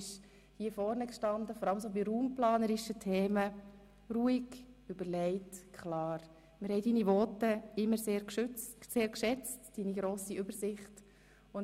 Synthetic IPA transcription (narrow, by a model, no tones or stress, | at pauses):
ɪʃ | hiːəfɔɾnəkʃtɑndəfɔɾɑləmsoːbiɾuːmplɑːnəɾɪʃətʰeːmə | ɾuːiɡʏbəɾlɛɪtkʰχlɑːɾ | mɪɾhɛɪdiːniʋɔːtəɪmːəɾseːɾkʃseːɾkʃɛt͡std̥iːniɡɾoːsiʏbəɾsɪχt | ʊn